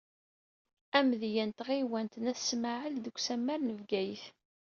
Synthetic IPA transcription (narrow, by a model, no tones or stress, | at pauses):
æmðjænt̪ʁiwænt̪næθsmaʕəld̪əɡʷːsæmːæɾnəvɡæjəθ